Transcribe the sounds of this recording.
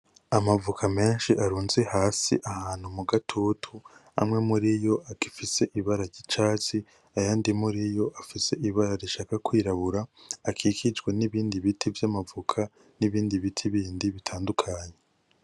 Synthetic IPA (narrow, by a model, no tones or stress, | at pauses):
amavukʰame̞ːnʃiʔaɾuːnze̞haːsḭʔahaːn̥humuɡatʰutʰua̰mŋe̞muɾijo̞akifise̞ʔiβaɾaɾɟit͡ʃaːt͡si | ajaːndimuɾijo̞ʔafise̞ʔiβaɾaɾiʃaːkakwiːɾaβuɾaːkʰiːkʰid͡ʒɡweniβiːndiβitʰivjamavukʰa | niβiːndiβitʰiβiːndiβitʰaːndukʰaɲe̞